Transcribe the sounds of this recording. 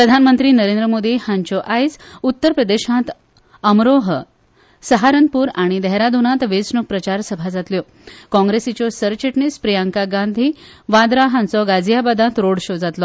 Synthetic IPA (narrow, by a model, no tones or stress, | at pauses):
pɾəd̪ʱanmənt̪ɾiːnəɾẽnd̪ɾəmod̪ʱiːhãɲt͡ɕɔʔajsut̪ːəɾpɾəd̪eɕãt̪ | əmɾoɦə | səɦaɾənpuːɾaɽ̃id̪ɛɦɾad̪ʱunãt̪ʋet͡sɳuk̚pɾət͡ɕaɾsəbʱad͡zat̪ljɔ | kɔ̃ŋɡɾesit͡ɕɔsəɾt͡ɕeʈɳispɾijaŋkaɡãnd̪ʱiːʋad̪ɾaɦãnt͡sɔɡad͡zijabad̪ãt̪ɾoɽɕod͡zat̪lɔ